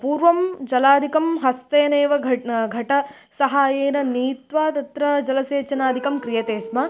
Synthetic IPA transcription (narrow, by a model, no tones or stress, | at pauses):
puːɾʋɐmd͡ʒɐlaːd̪ʱikɐmɦɐst̪eːneːʋɐɡʱɐʈɐ | sɐɦaːjeːnɐniːt̪ʋaːt̪ɐt̪ɾɐd͡ʒɐlɐseːt͡ʃɐnaːd̪ʱikɐmkɾijɐt̪eːsmɐ